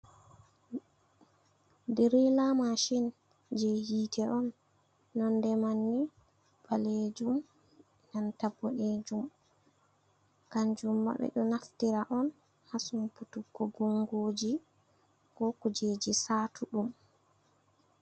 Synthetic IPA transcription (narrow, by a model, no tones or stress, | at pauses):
dɛɾilamaʃin | d͡ʒehitʰɛɔnː | ɔndɛmanːi | baled͡ʒum | nantabːɔned͡ʒum | kaɲd͡ʒumːa̰ɓɛ̰ɗɔnaftiɾaʔɔn | hasumputukːɔɡɔŋɡoːd͡ʒi | kɔkud͡ʒed͡ʒisaːtʰuɗum